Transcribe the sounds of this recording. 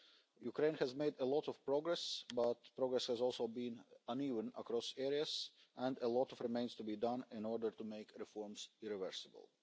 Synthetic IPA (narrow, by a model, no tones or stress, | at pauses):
jukɹẽɪ̃nhæzmeɪdəlɔtɔv̥pɹɔɡɹɛsbʌtpɹɔɡɹɛshəzɔlˠsoʊbĩnʌ̃nivə̃nə̰kɾɔsɛɹiəz | ʔɛ̃ndəlɔtɔvɹɨmẽɪ̃nz̥tubidʌ̃nɪ̃nɔɹdə˞tumeɪkɹɪfɔɹmzɪɹɨvəɹsɨbə̰lˠ